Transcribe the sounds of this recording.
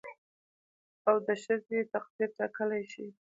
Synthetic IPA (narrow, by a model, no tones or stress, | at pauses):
awd̪əʃəzet̪aqd̪iɾʈakəlajʃi